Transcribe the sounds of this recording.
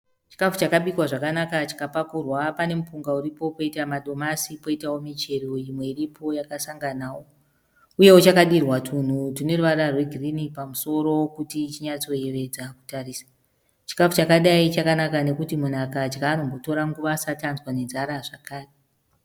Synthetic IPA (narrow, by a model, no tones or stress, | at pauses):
t͡ʃi̥kafut͡ʃakaɓikwaʐakanakat͡ʃi̥kapakurwapane̞mupuŋɡauɾipo̞po̞itamaɗo̞masipo̞itawo̞mit͡ʃe̞roimwe̞iɾipʰo̞jakasaŋɡanaːwo̞ | uje̞wot͡ʃakaɗirwatʰun̤utune̞ruʋaɾarwe̞ɡʱirinipamuso̞ɾo̞kutit͡ʃiɲat͡so̞eʋe̞d͡zaku̥tariːsḁ | t͡ʃi̥kafut͡ʃakaɗait͡ʃakanakane̞kutimun̤akad͡ʒɡaːno̞mbo̞to̞ɾaŋɡuʋaːsatanzwanenzaɾaʐakaːre